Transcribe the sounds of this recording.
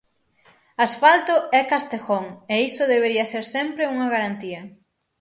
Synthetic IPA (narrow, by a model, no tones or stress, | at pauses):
asfalt̪ʊɛkast̪exoŋeisʊðeβeɾiɐseɾsɛmpɾeuŋɐɣaɾant̪iɐ